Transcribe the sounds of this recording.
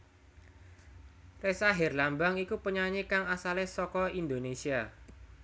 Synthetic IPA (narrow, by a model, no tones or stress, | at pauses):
resaɦɛrlambaŋikupəɲaɲikaŋasalehsɔkɔind̪onesia